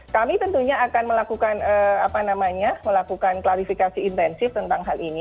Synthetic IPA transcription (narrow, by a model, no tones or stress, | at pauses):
kamit̪ənt̪uɲaakanməlakukanəapanamaɲaməlakukanklaɾifikasiːnt̪ɛnsɪft̪ənt̪aŋɦalʔini